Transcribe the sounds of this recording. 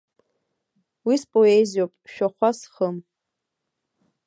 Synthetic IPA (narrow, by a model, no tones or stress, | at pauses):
wispʼoeziopʼʃᶣaχʷasχəm